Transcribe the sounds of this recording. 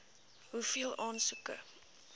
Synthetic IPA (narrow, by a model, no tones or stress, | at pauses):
ɦufiəlˠɑːnsukə̰